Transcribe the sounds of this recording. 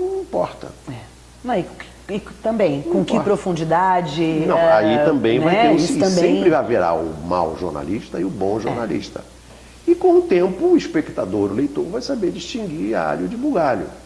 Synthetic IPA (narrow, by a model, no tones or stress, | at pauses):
ñĩpɔɾt̪ɐ̰ɛ | nɐ̃ɪ̥ | ɪt̪ɐ̃mbẽj̃kõkɪpɾofũd͡ʒid̪ad͡ʒɪnɐ̃ait̪ɐ̃mbẽj̃nvajt̪essɐ̃sẽmpɾɪvajviɾa̰ʊma̰wʒo̰ɾna̰liʃt̪ɐɪʊbõʒoɾnalḭʃt̪ɐ̰ | ɪkõw̃ʊt̪ẽmpʊiʃpekt̪ad̪oɾʊlejt̪oɾvajsabeɾd͡ʒɪiʃt͡ʃĩŋɡia̰ʎʊd͡ʒɪbuɡaʎʊ̰